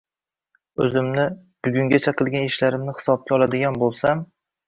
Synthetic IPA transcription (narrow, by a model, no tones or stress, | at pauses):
ɵzɪmnɪb̥ʊɡʲʊŋɡʲat͡ʃʰaqʰɨlˠɡʲaneʃlaɾɪmnɪhɪ̥sɒb̚ɡʲaɒlˠad̪ɪɡʲanbolˠsam